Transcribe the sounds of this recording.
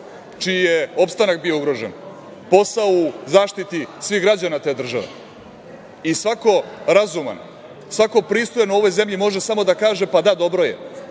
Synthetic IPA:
t͡ʃijijeo̞pst̪anak̚bio̞uɡɾoʒen | po̞sauzaːʃt̪it̪isʋixɡɾad͡ʑanat̪eːd̪r̩ʒaʋḛ | isʋako̞ɾazuma̰n | sʋako̞pɾist̪ojanouo̞ʋo̞jze̞mʎimo̞ʒe̞samod̪akaːʒepad̪ad̪o̞bɾo̞jḛ

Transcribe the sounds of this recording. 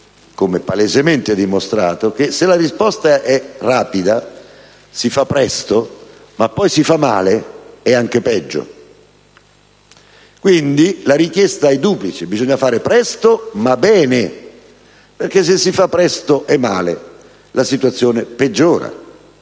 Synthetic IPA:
komepalezemɛnt̪ɪɛd̪ːimost̪ɾa̰ːt̪ok̟eselarispɔst̪aʔɛraːpid̪a | sifapːɾɛst̪o | mapːɔjsifamːa̰ːleɛaŋk̟epɛd͡ʒːo̰ | kwind̪ilaɾik̟jɛst̪aɛd̪uːplit͡ʃebizɔɲːafaːɾɪpɾɛst̪omabɛːnɪ | perk̟es̬ːesːifapːɾɛst̪oʔɛmːa̰ːle | lasit̪wat̪sːjoːneped͡ʒːoːɾa̰

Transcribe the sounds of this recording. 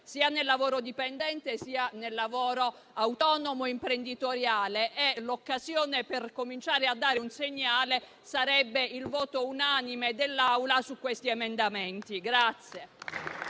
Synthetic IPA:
siːanelːavoːɾod̪ipend̪ɛnt̪esiːanelːavoːɾo | awt̪ɔːnomoimpɾend̪it̪oɾjaːleʔɛlokːazjoːneperkomint͡ʃaːɾead̪ːaːɾeunseɲːaːle | saɾɛbːeilvɔːt̪ounanimed̪elːawlasukːwest̪iemend̪amɛnt̪iɡɾat̪sje

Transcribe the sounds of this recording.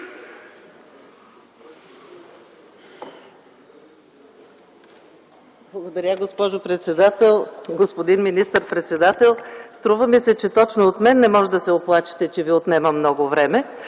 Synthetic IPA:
blˠɐɡod̪ɐɾʲəɡospɔʒopɾɛt̪sɛd̪at̪ɛlˠɡospod̪inminist̪əɾpɾɛt̪sɛd̪at̪ɛlˠst̪ɾuvəmisɛt͡ʃɛt̪ɔt͡ʃnoot̪mɛnːɛmɔʒɛd̪ɐsɛoplˠat͡ʃi̥t̪ɛt͡ʃɛviot̪nɛməmnɔɡovɾɛmɛ

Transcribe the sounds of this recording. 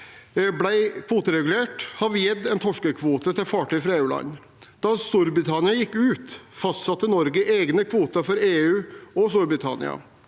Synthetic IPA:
blæɪkʰʋuːt̪əɾɛɡʉleːʈhɑʋjɛd̪ːɛːnt̪ʰɔʂkəkʰʋuːt̪ət̪ɪlfɑːʈyfɾɑeːʉːlɑ̰n | d̪̥ɑst̪uɾbɾɪt̪ʰɑnɪɑjɪkːʉːt̪fɑst̪sɑt̪ːənɔɾɡəʔeːɡnəkʰʋuːt̪əfɔɾeːʉːɔst̪uːɾbɾɪt̪ʰɑnɪ̰ɑ̰

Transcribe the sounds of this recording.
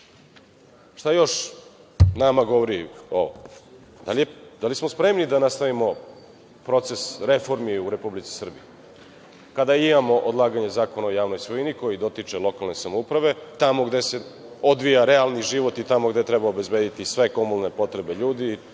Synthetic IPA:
ʂt̪ajo̞ʃ | namaɡo̞ʋoɾio̰ | d̪alied̪alismospɾe̞mnid̪anast̪aʋimo̞ | pɾo̞t̪se̞sɾe̞fo̞ɾmiuɾe̞publit̪si̥sr̩bije | kad̪aimamo̞ʔod̪lˠaːɡaɲe̞zaːkonaojaːʋno̞jsoiniko̞jid̪o̞t̪it͡ʂe̞lˠo̞kalne̞samoupɾaʋe̞t̪amo̞ɡd̪ese̞ | o̞d̪ʋijaɾealˠniʒiʋo̞t̪it̪amoɡd̪et̪ɾebaobezbeːd̪it̪isʋe̞komulne̞po̞t̪ɾe̞be̞ʎuːd̪i

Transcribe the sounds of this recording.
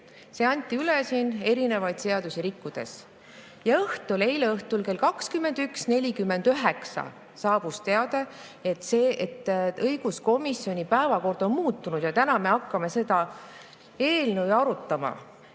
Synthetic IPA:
se̞ɑnʲt̪ːˑiylesine̞ɾine̞vɑjd̪̥se̞ɑd̪̥usiɾikːud̪̥e̞̰s | jɑɤht̪ˑule̞jleɤht̪ulke̞lkɑkskymːe̞nd̪̥yksne̞lʲikymːe̞nd̪øɦe̞ksɑ̰ | sɑːb̥ust̪e̞ɑd̪̥e̞ | et̪ːˑseːʔet̪ːɤjɡ̥usko̞misːio̞nʲipæevɑko̞rd̪̥o̞nmuːt̪ːˑunud̪̥jɑt̪ænɑme̞ɑkːɑme̞se̞d̪ɑ | e̞ːlnəwɑɾut̪ːˑɑmɑ̰

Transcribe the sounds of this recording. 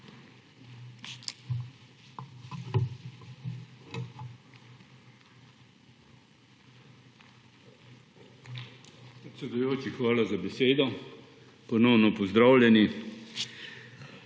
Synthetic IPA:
ppɾɛt̪sʲɛd̪ujoːt͡ʃixʋaːlazabɛseːd̪ɔ | pɔnɔwnɔpɔzd̪ɾawlʲjɛni

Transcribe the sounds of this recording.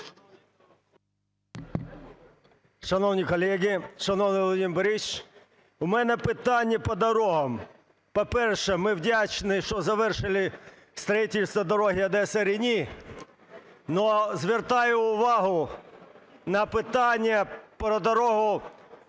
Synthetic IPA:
ʃɐnɔwnʲikɔlʲɛɦʲɪʃɐnɔwnɪʋɔlˠɔdʲimbɾit͡ʃ | ʊmɛnɛpɪt̪ɑnʲːɐpɔd̪ɔɾɔɦɐm | pɔpɛrʃɛmɪwdʲat͡ʃnɪʃt͡ʃɔzɐʋɛrʃɪlʲˠɪ | st̪ɾɐjitʲɪlʲst̪ʋɐd̪ɔɾɔɦɪɐd̪ɛsɐɾɪnʲi | nɔzʋʲert̪ɑjʊːʋɑɦʊ | nɐpɪt̪ɑnʲːɐpɾɔd̪ɔɾɔɦʊ

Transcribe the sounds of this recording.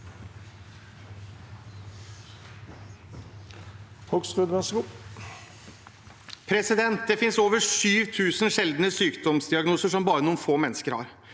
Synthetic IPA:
hɔkskʉːd̪ʋɛsɡuː | pʰɾɛsɪd̪ɛnt̪̚d̪ɛfɪnsoːʋəʂyːʋt̪ʰʉːsnʃɛld̪nəsyːkd̪ɔmsd̪ɪɑɡnuːsəʂɔmbɑːɾənuːnfoːmɛnːəskəɾhɑ̰ɾ

